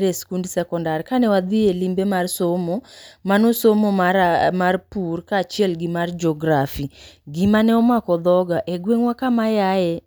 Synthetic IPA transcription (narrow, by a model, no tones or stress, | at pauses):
ɾeskundisɛkɔndarkanɛwad̪ielimbemarsomomanʊsomoamarpurkat͡ʃiɛlɡimard͡ʒɔɡɾafiɡimanɛɔmakɔd̪ɔɡaʔeɡweŋwakamajajɛ